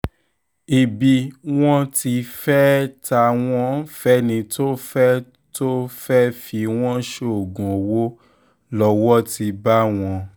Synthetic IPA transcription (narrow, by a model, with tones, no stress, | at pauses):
i˨bi˧w̃ɔ̃˦ti˧fɛ˦ta˧w̃ɔ̃˦fɛ˦nĩ˧to˦fɛ˦ | to˦fɛ˦fi˧w̃ɔ̃˦ʃo˦˨o˨ɡũ˨o˨wo˦ | lɔ˧wɔ˦ti˧ba˦w̃ɔ̃˧